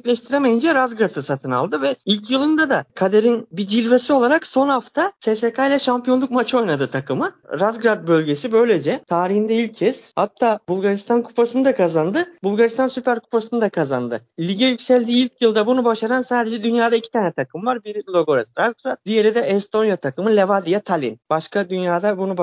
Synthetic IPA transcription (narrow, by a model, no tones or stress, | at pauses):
ɛclʲɛʃt̪ʰiɾemejind͡ʒɛɾazɡɾasɯsat̪ʰɯna̰lˠd̪ɯvɛilʲcjɯlˠɯnd̪ad̪akʰad̪eɾinbid͡ʒilʲve̞sio̞lˠaɾakso̞nhaft̪ʰasesekʰajlʲaʃampijo̞nlˠukmat͡ʃʰo̞jnad̪ɯt̪ʰakɯmɯɾazɡɾad̪̚bø̞lʲɟesibø̞jlʲe̞d͡ʒɛt̪ʰaːɾihind̪ɛilʲcʰːɛshat̪ʰːaːbulˠɡaɾist̪ʰankʰu̥pasɯnɯd̪akʰazand̪ɯbulˠɡaɾist̪ansypæɾkʰu̥pasɯnɯd̪akʰaza̰nd̪ɯlʲiɟɛjycsælʲd̪iːilʲcjɯlˠd̪abunubaʃaɾansaːd̪ed͡ʒɛd̪ynjaːd̪aicʰit̪ʰaːnɛt̪ʰakɯmvaɾbiɾlʲˠo̞ɡo̞ɾɛsɾazɡɾad̪̚d̪ije̞ɾid̪ɛʔɛst̪ʰo̞njat̪ʰakɯmɯlʲevad̪ijat̪ʰalʲḭnb̥aʃkad̪ynjaːd̪abunub